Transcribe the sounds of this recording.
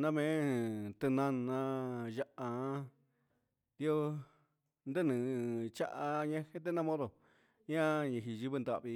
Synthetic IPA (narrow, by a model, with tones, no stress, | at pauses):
nã˦mẽ˨˦t̪ɨ˧nã˦nã˧ja˧ʔa˧˦ | d̪i˦o˦ | nd̪e˦˨nɨ̃˨˧t͡ʃa̰˦ʔa˧ɲã˦he˦t̪e˦nã˦mõ˦ðo˨ | ɲã˦ɲĩ˧ɦi˧ʒi˧˦βɨ˧nd̪a˧˨βi˧